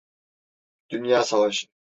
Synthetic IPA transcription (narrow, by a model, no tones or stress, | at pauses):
d̪̥ynjaːsavaʃɯn